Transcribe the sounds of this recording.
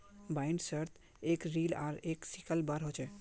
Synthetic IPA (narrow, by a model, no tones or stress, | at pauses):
baɪɳɖsəɾt̪ʰ | eːkɾiːla̰ːɾeːksikəlbəɾɦot͡ʃɛ